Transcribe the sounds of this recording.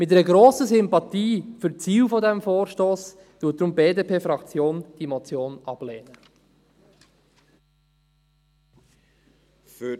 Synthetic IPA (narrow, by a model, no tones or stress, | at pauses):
mɪtːɛɾəɡɾoːsəsʏmpɑtiːfyɾt͡siːwfɔdɛmfoːɾʃtoːs | tuːt̚d̥̪ɾʊmbeːdeːpʰeːfɾɑkt͡sjoːnd̥imɔt͡sjoːnɑb̥leːnə | f